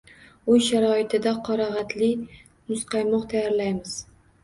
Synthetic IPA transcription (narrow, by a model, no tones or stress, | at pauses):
ʊjʃaɾɒɪt̪ʰɪd̪aqʰɒɾɒʁɑt̪ʰlɪ | mʊsqʰɑjmɒqt̪ʰajaɾlajmɪz̥